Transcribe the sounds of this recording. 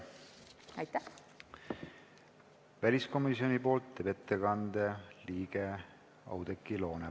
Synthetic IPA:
ɑjt̪ˑːæh | vælʲisko̞misio̞nipo̞ːlt̪ːeːbe̞t̪ːe̞kɑnd̪e̞liːɡ̥e | ɑ̰wd̪ekːˑilo̞ːne

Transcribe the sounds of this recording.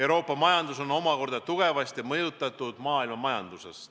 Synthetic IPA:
ewɾo̞ːpːˑɑmɑjɑnd̪uso̞no̞mɑko̞rd̪̥ɑt̪uɡ̥e̞vɑst̪jɑmɤjut̪ːˑɑt̪ːˑud̪̥mɑːilmɑmɑjɑnd̪usḛs

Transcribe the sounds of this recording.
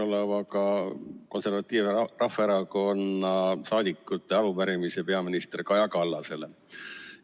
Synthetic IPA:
olevɑkɑko̞nse̞rvɑt̪ːˑiːvrɑfːˑeɾɑko̞nːɑsɑːd̪̥ikːˑut̪ːˑe̞ɑlumæɾimisepe̞ɑminist̪rkɑjɑkɑlːɑse̞le

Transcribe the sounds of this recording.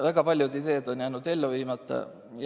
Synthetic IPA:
væɡ̥ɑpɑlʲjud̪id̪e̞ːd̪o̞njæːnud̪e̞lːuviːmɑt̪ˑːɑ̰ | j

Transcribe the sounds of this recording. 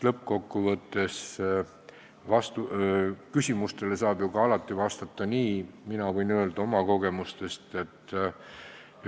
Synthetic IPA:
lɤp̚ːko̞kːuvɤt̪ːe̞s | vɑst̪ukysʲimust̪e̞le̞sɑːb̥juɡ̥ɑɑlɑt̪ˑːivɑst̪ɑt̪ˑːɑniːminɑvɤjnø̞ld̪ɑo̞mɑko̞ɡe̞must̪e̞st̪e̞t̪ːˑ

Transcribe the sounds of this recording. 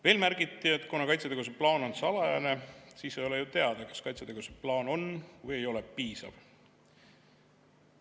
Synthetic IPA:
ve̞ːlmæɾɡit̪ːˑie̞t̪ːˑkunɑkɑjt̪set̪eɡus̬e̞plɑːno̞nsɑlɑjɑne̞siːsejo̞lejut̪e̞ɑd̪̥ɑkɑ̥skɑjt̪set̪e̞ɡ̥useplɑːno̞nvɯje̞jo̞le̞piːsɑ̰v̥

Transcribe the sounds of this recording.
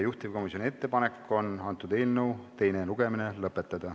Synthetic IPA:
juht̪ivko̞misjonie̞t̪ːe̞pɑne̞kːo̞nɑnt̪ːˑud̪e̞ːlnəwt̪e̞jneluɡ̥e̞minelɤpːˑe̞t̪ːˑɑd̪̥ɑ

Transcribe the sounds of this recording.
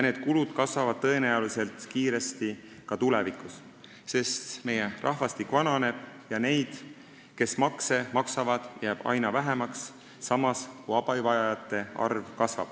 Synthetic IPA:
jneːd̪̥̚kulud̪̥kɑsvɑvɑd̪̥̚t̪ɤ̞e̞næolise̞lt̪kiːɾe̞st̪i | kɑt̪ule̞vikˑus | se̞st̪me̞jerʔɑɦvɑst̪ikːˑvɑnɑne̞d̪̥jɑne̞jd̪̥ | ke̞smɑkse̞mɑksɑvɑd̪̥jæːb̥ɑ̰jnɑvæɦemɑksː | ɑmɑskujɑb̥ɑvɑjɑjɑt̪ːˑe̞ɑ̰rvkɑsvɑ̰b̥

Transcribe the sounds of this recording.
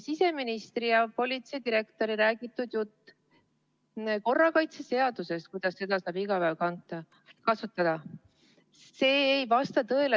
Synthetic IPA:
sise̞minist̪rijɑpo̞lʲit̪sed̪iɾe̞kt̪o̞ɾiɾæːɡ̥it̪ːˑud̪̥jut̪ˑː | ko̞rːɑkɑjt̪se̞se̞ɑd̪̥use̞st̪̚kujd̪̥ɑsːe̞d̪ɑsɑːbiɡɑpævkɑnt̪ːˑɑ | kɑsut̪ːˑɑd̪̥ɑ | se̞ːjvɑst̪ɑt̪ɤ̞ele

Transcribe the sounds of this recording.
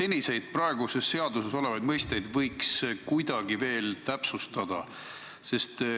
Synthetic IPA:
se̞nʲise̞jd̪̥̚prɑe̞ɡ̥use̞sːe̞ɑd̪useso̞le̞vɑjd̪̥mɤjst̪e̞jd̪vɤjkskujd̪̥ɑɡ̥ive̞ːlt̪æpsust̪ɑd̪̥ɑ | se̞st̪

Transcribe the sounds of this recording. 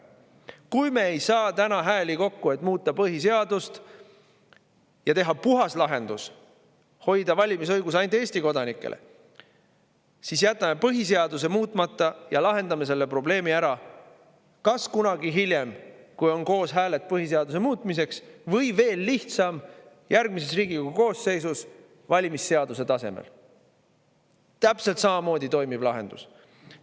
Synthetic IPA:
kujme̞ejsɑːt̪ænɑɦæːlʲiko̞kːue̞t̪ːmuːt̪ˑːɑpɤɦise̞ɑd̪̥ust̪ | jɑt̪e̞ɦɑpuɦɑslɑɦe̞nd̪us | ho̞jd̪̥ɑvɑlʲimisɤjɡus̬ɑjnt̪ˑeːsʲt̪iko̞d̪ɑnikˑːḛlʔḛ | sisjæt̪ːˑɑme̞pɤɦis̬e̞ɑd̪use̞muːt̪ːˑmɑt̪ːˑɑjɑlɑɦe̞nd̪̥ɑme̞s̬e̞lːe̞pro̞ble̞ːmiæɾɑ | kɑskunɑɡiɦilʲjemkujo̞nko̞ːsɦæːle̞t̪̚ˑpɤɦis̬eɑd̪us̬e̞muːt̪ˑmise̞ksvɤjve̞ːlːiht̪sɑm | jærɡ̥̚misesriːɡ̥iuko̞ːsːe̞jsus | vɑlʲimisːe̞ɑd̪use̞t̪ɑse̞mḛl | t̪æpselt̪sɑmɑmo̞ːd̪it̪o̞jmivlɑɦe̞̰nd̪ṵs

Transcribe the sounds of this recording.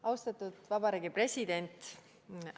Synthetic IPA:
ɑwst̪ɑt̪ːˑud̪̥vɑbɑɾiːɡipre̞sʲid̪̥e̞nʲt̪

